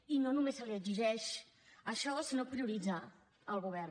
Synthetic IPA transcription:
inonːumesəliəd͡ʒiʒɛʃ | əʃɔsənopɾiuɾid͡za | əlˠɣuβɛɾn

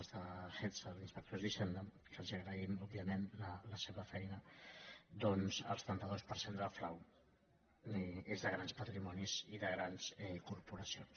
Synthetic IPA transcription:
zðəxet̪zəinspək̚t̪ozðiʃɛnd̪əm | kəlˠziəɣɾəimɔbbiəmenlələseβəfɛjnə | d̪ɔnzə̰lˠst̪ənt̪əðospəɾsend̪əlflaw | ezðəɣɾanspət̪ɾimɔniziðəɣɾanzɛkuɾpuɾəsions

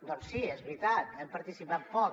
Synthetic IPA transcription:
d̪ɔnsiɛzβɾit̪at̪̚ɛmpəɾt̪isipat̪̚pɔ

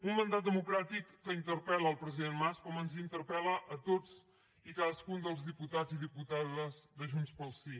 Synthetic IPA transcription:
ummənd̪at̪̚d̪əmukɾat̪ikːəint̪əɾpɛləːlˠpɾəziðenmaskɔmənzint̪əɾpɛləʔət̪od͡z | ikaðəskund̪əlˠzðiput̪ad͡ziðiput̪aðəzðəʒunspəlˠsi

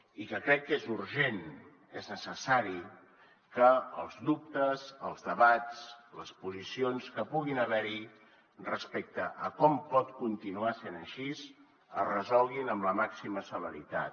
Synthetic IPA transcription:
ikəkɾɛkːezuɾʒen | eznəsəsaɾi | kə̰ːlˠzðup̚t̪əzəlˠzðəβat̪t͡sləspuzisionskəpuɣinəβ̞ɛɾi | rəspɛk̚t̪əʔəkɔmpɔt̪kunt̪inuasenəʃiz | ə̰rəzɔlˠɣinəmləmaksiməsələ̰ɾḭt̪a̰t̪

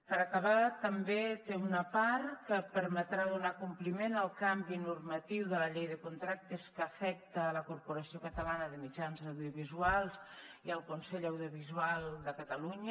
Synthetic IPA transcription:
pəɾəkəβat̪əmbet̪eunəpaɾkəpəɾmət̪ɾaðunakumplimenəlˠkambinurmət̪iwðələʎejðəkunt̪ɾak̚t̪əskəːfɛk̚t̪əːləkurpuɾəsiokət̪əlanəðəmid͡ʒanzəwðiuβizualˠziəlˠkunsɛʎəwðiuβ̞izualˠd̪əkət̪əluɲə

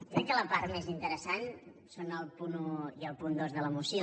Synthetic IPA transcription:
kɾɛkːələpaɾmezint̪əɾəsan | sonəlˠpunuiəlˠpund̪ozðələmusi

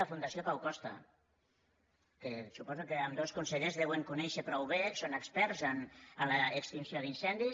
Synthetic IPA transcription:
afund̪asiokawkɔst̪a̰ | kesupɔzukeəmd̪oskunseʎezðɛweŋkunɛʃəpɾɔwβesonəkspɛɾzanəlaːkst̪insioðinsɛnd̪i

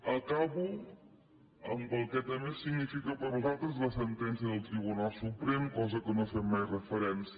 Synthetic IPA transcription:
əkaβu | əmbəlˠkɛt̪əmesiɡnifikəpəɾnuzalˠt̪ɾəzləsənt̪ɛnsiəðəlˠt̪ɾiβ̞unalˠsupɾɛmkɔzəkənofemajrəfəɾɛns

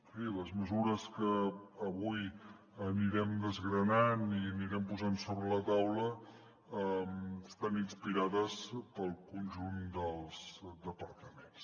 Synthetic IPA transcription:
filəzməzuɾəskəːβuj | əniɾɛmd̪əzɣɾənaniəniɾɛmpuzansoβɾələt̪awlə | əməst̪aninspiɾaðəspəlˠkunʲʒund̪əlˠz̥d̪əpəɾt̪əmens

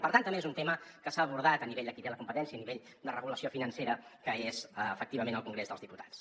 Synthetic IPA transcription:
pəɾt̪ant̪əmbezunt̪eməkəsaːβuɾðat̪əniβeʎd̪əkit̪eləkumpət̪ɛnsiəːniβeʎ | d̪ərəɣuləsiofinənseɾəkəezəəfək̚t̪iβəmenəlˠkuŋɡɾezðəlˠzðiput̪ḁt͡s

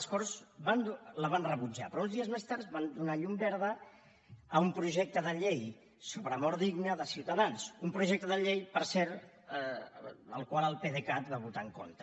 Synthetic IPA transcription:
əskɔrzβand̪uləβanrəβud͡ʒa̰pɾɔunzðiəzmest̪aɾt̪βand̪unaʎumbɛɾð̞əː | umpɾuʒɛk̚t̪əðəʎej | soβɾəmɔɾðiɡnəðəsiwt̪əðansumpɾuʒɛk̚t̪əðəʎejpəɾsɛɾ | ə̰lˠkwalˠəlˠpeðekat̪βaβut̪aəŋko̰nt̪ə

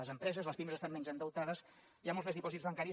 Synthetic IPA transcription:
əzəmpɾɛzəzləspiməzəst̪ammenzənd̪əwt̪aðəs | iamolˠzmezipɔizβəŋkaɾi

